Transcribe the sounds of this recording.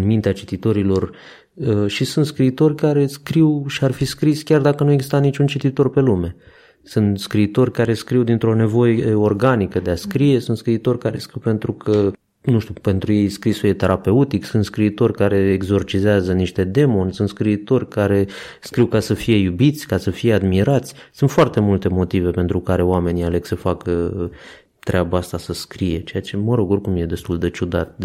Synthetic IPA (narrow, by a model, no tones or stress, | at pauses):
nmint̪eat͡ʃit̪it̪o̞ɾilo̞r | əʃisunt̪skɾiːt̪o̞rʲkaɾe̞skɾiwʃiarfiskɾisʲkʲard̪akənueɡzist̪anit͡ʃunt͡ʃit̪it̪o̞rpe̞lume̞ | sunt̪skɾiːt̪o̞rʲkaɾe̞skɾiwd̪int̪ɾo̞ne̞vo̞je̞o̞rɡanikəd̪easkɾije̞sunt̪skɾiːt̪o̞rʲkaɾe̞skɾiwpe̞nt̪ɾukʰə | nuʃt̪ʲupe̞nt̪ɾuje̞jskɾisuje̞t̪e̞ɾʔape̞ut̪iksunt̪skɾiːt̪o̞rʲkaɾe̞ːɡzo̞rt͡ʃizeazəniʃt̪e̞d̪e̞mo̞nsunt̪skɾiːt̪o̞rʲkaɾe̞ | skɾiwkasəfije̞jubit̪sʲkasəfije̞ad̪miɾat̪sʲ | sunt̪foart̪e̞mult̪e̞mo̞t̪ive̞pe̞nt̪ɾukaɾe̞oame̞niale̞ɡ̥səfakə | t̪ɾeabaast̪asəskɾije̞t͡ʃe̞jat͡ʃe̞məɾo̞ɡorkumje̞d̪e̞st̪uld̪e̞t͡ʃud̪at̪̚d̪